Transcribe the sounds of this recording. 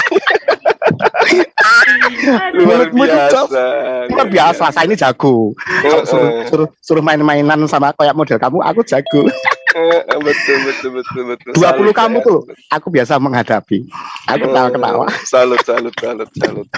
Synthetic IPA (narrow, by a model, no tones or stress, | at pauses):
mumud͡ʒɔ | kɔrbiasasəalasainid͡ʒaɡ̥uʔsuɾʊhsuɾʊhsuɾʊhmaɪnmainansamakojaʔmod̥ɛlkamuʔa̰ku̥d͡ʒ̥aɡ̥u | bət̪ʊlbət̪ət̪d̥uaulukamut̪ulʊʔakubiasaməŋɦad̥apia̰kukət̪awakət̪a̰wa̰alsalal